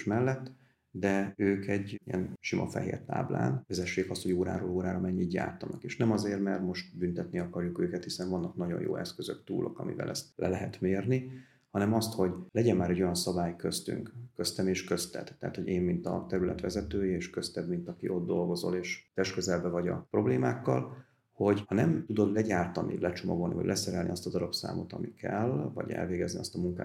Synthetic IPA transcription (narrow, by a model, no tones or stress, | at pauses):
ʃmɛlːɛt̪ː | d̪ɛøːkɛɟijɛ̰nʃimʔɒ̰fɛ̰ɦḛːrt̪a̰ːbla̰ːnvɛzɛʃːeːkɒst̪hoɟoːɾa̰ːɾoːloːɾaːɾɒmɛɲːid̪ɟja̰ːrt̪ɒnɒkeːʃnɛmɒzeːrmɛrt̪mo̞ʃt̪bynt̪ɛt̪niɒkɒrjukøːkɛt̪hisɛɱvɒnːɒknɒɟo̞̰jo̰ːʔɛ̰skøzø̰kt̪ṵːlʔo̰kɒ̰mḭvɛ̰lʔɛ̰st̪̚lɛlɛɦɛt̪meːrni | hɒnɛmɒst̪ho̞ɟlɛɟɛmːaːɾɛɟːo̞jɒnsɒbaːjkøst̪y̰ŋkkøst̪ɛmeːʃkø̞st̪ɛ̰t̪ːɛ̰ːt̪ho̞ɟeːmmint̪ɒ̰t̪ɛɾylɛt̪ʋɛ̰zɛt̪øːjieːʃkøst̪ɛbmint̪ɒkiʔo̞d̪̚d̪o̞lɡo̞zo̞̰leːʃt̪ɛʃkøzɛlbɛvɒɟɒ̰pro̞bleːmaːkːɒ̰l | ho̞ɟhɒnɛmt̪ud̪o̞d̪lɛɟaːrt̪ɒnḭlɛt͡ʃomoɡo̞lnḭvɒ̰ɟlʔɛsɛɾɛlnḭɒst̪ɒzɒɾɒpsa̰ːmo̞t̪ɒmikʰɛ̰lvɒ̰ɟɛ̰lveːɡɛzniɒst̪ɒmuŋka̰ː